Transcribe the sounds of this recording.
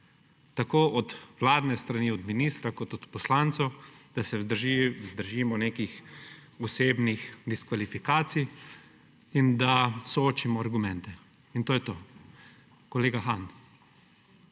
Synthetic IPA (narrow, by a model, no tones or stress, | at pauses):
t̪akoːʔɔd̪ʋlaːd̪nɛst̪ɾaniːɔd̪miniːst̪ɾakɔt̪ɔt̪pɔslaːnt̪sɐwd̪̥asɛzd̪əɾʒiːmɔneːkixɔseːbnixd̪iskʋalifikaːt̪sij | ind̪asɔoːt͡ʃimɔaɾɡumɛnt̪ɛ | int̪oːjɛt̪oː | kɔleːɡaxan